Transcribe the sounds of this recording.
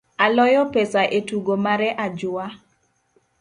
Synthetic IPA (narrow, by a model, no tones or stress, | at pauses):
alɔjɔpesaʔetuɡomaɾɛʔad͡ʒʊa